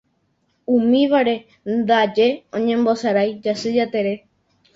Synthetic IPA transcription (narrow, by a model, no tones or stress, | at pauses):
ũmĩʋaɾe̞ | nd̪ad͡ʒe̞õɲẽ̞mbo̞saɾajd͡ʒasɨd͡ʒat̪e̞ɾe̞